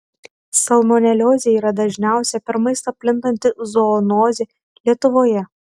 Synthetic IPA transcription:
sɐlˠmɔnʲɛlʲoːzʲeiːɾɐd̪ɐʒʲnʲæˑʊsʲɛpʲɛɾmɐɪst̪ɐpʲlʲɪnt̪ɐnʲt̪ʲɪzɔːnoːzʲe | lʲiɛt̪ʊʋoːjɛ

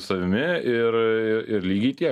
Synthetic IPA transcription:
sɐʋʲɪmʲɪɪɾɪɾɪɾlʲiːɡʲɛɪt̪ʲiɛ

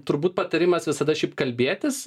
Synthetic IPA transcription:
t̪ʊɾbuːt̪̚pɐt̪ɐɾʲɪmɐsʋʲɪsɐd̪ɐʃʲɛɪpkɐlʲbʲeːt̪ʲɪs

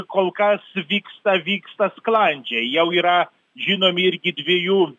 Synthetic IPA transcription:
kolˠkasvʲikst̪ɐvʲikst̪ɐsklˠanʲd͡ʒʲɛjɛwiɾa | ʒʲinomiɾʲɡʲɪd̪ʲvʲeju

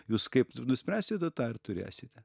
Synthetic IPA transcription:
juːskɐɪpnʊsʲpʲɾʲæːsʲɪt̪ʲɐt̪ɑːɪɾt̪ʊɾʲḛːsʲɪt̪ʲɛ

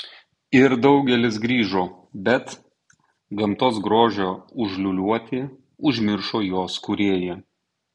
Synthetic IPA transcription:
ɪɾd̪ɒʊɡʲɛlʲɪs̬ɡɾʲiːʒoː | bʲɛt̪ | ɡɐmt̪oːsɡɾoːʒʲoːʊʒʲlʲʊlʲuɔt̪ʲɪ | ʊʒʲmʲɪɾʃoːjoːskʊɾʲeːjɛ

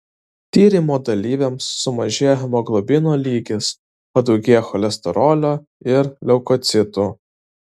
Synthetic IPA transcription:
t̪ʲiːɾʲimoːd̪ɐlʲiːʋʲɛmsːʊmɐʒʲeːjɛmoːɡlˠɔbʲɪnoːlʲiːɡʲɪs | pɐd̪ɔʊɡʲiɛxɔlʲɛsʲt̪ʲɛɾɔːlʲoː | ɪɾlʲɛʊkɔt̪sʲɪt̪uː

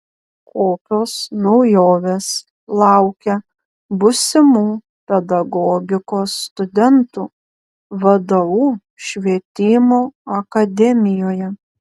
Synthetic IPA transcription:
kʰoːpʲoːsnɒʊjoːʋʲeːs | lˠɑˑʊkʲɛ | bʊsʲɪmuː | pʲɛd̪ɐɡɔːɡʲɪkoːsːt̪ʊd̪ʲɛnt̪uː | ʋɐd̪ɐʋuː | ʃʲʋʲiɛt̪ʲɪmoːɐkɐd̪ʲɛmʲɪjoːjɛ

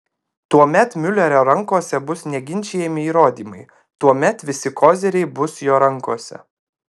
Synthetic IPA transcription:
t̪uɔmʲɛt̪mʲʊlʲɛɾʲoːɾɐŋkoːsʲɛbʊsnʲɛɡʲɪnʲt͡ʃʲɛjɛmʲɪiːɾoːd̪ʲiːmɐɪ | t̪uɔmʲɛt̪ʋʲɪsʲɪkoːzʲɛɾʲɛɪbʊsjoːɾɐŋˑkoːsʲɛ̰

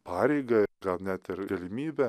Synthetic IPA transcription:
pɑːɾʲɛɪɡɐɡɐlˠnʲæːt̪ɪɾɡɐlʲɪmʲiːbʲɛ

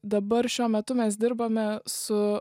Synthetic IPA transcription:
d̪ɐbɐɾʃʲuɔmʲɛt̪ʊmʲɛsd̪ʲɪɾbɐmʲɛsʊ

